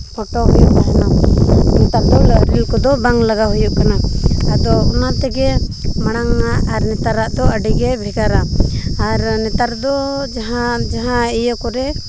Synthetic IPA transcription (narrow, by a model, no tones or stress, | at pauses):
kɔʈɔɦujuʔbaɦɛnɔnɛt̪aɾd̪ɔlɾilkɔd̪ɔbaŋlaɡaɦujuʔkanaad̪ɔhɔnat̪ɛɡɛmaɽ̃aŋaʔaɾnɛt̪aɾaʔd̪ɔaɖiɡɛbʱɛɡaɾaː | ɾnɛt̪aɾd̪ɔd͡ʒaɦad͡ʒaɦãijəkɔɾɛ